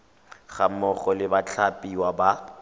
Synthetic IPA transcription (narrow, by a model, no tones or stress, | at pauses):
χamɔχɔlɪbat͡ɬʰapʼiwaba